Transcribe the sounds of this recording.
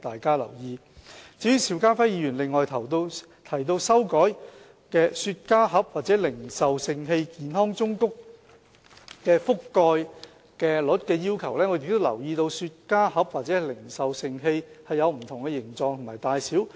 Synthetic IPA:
t̪aː˨jkaː˥lɐ̰˨˩wjiː˧ | t͡siː˨˥jyː˧˥sʰiː˨˥wkaː˥fɐ˥jiː˧ɥyː˨˩nlɪ˨ŋːɔː˨jt̪ʰɐ˨˩wt̪o˧ | t̪ʰɐ˨˩jt̪o˧wsɐ˥wkɔː˨˥j | kɛː˧syː˧t̚kaː˥ɦɐ˨˥p̚waː˨t̚t͡sɛː˨˥lɪ˨˩ŋsɐ˨wsɪ˧ŋɦe˧jkiː˨˧nɦɔː˥ŋt͡sʊ˥ŋkʊ˥k̚ | kɛː˧fʊ˥kːɔː˧j | kɛː˧lʊ˨˥t̚kɛː˧jiː˥wkʰɐ˨˩wlɛː˥ŋɔ˨˧jɪ˨k̚t̪ːo˥wlɐ˨˩wjiː˧t̪o˧wsyː˧t̚kaː˥hɐ˨˥p̚waː˨t̚t͡sɛː˨˥hɐ˨jlɪ˨˩ŋsɐ˨wsɪ˧ŋɦe˧jhɐ˨jːɐ˨˧wm̩˨˩t̪ʰʊ˨˩ŋkɛ˧jɪ˨˩ŋt͡sɔː˨˧ŋt̪ʰmaː˨˩jt̪aː˨jsiː˨˥w

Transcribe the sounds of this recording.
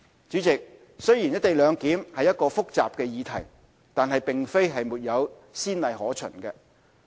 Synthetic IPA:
t͡ʃyː˨˥t͡sɪ˨k̚ | sɵ˥jiː˨˩njɐ˥t̪e˨jlœː˨˧ŋkiː˨˥mhɐ˨jːɐ˥t̚kɔː˧fʊ˥k̚t͡sa̰ː˨p̚kɛː˧jiː˨˧t̪ʰɐ˨˩j | t̪aː˨nɦɐ˨jpɪ˨ŋfe˥jɦɐ˨jmuː˨˩t̚jɐ˨˧w | siː˥nlɐ˨jɦɔː˨˥t͡ʃʰɵ̰˨˩nkɛ˧

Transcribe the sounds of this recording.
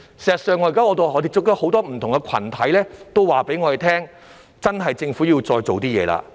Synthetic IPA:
siː˨˩zt̚sœː˨˧ŋɔː˨˧jkaː˥ŋɔː˧t̪o˨ɦɔː˨˧t̪e˨t͡sːʊ˥k̚t̪ɐ˥ho˨˥wt̪ɔː˥m̩˨˩t̪ʰʊ˨˩ŋɛ˧kʰɐ̰˨˩nt̪ʰɐ˨˥jlɛː˥t̪o˥wwaː˨˩pe˨˥jŋɔː˨˧ɾe˨jt̪ʰɛː˥ŋ | t͡sɐ˥nɦɐ˨jt͡sɪ˧ŋfuː˨˥ji˧wt͡sɔː˧jt͡so˨wt̪iː˥jɛ̰ː˨˧la̰ː˧

